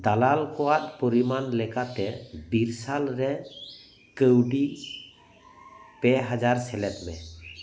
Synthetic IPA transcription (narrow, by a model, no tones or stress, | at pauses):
d̪alalkɔwat̪̚pɔɾimanlɛkat̪ɛbiɾsalɾɛ | kəwɖi | pɛɦad͡ʒaɾsɛlɛt̪̚mɛ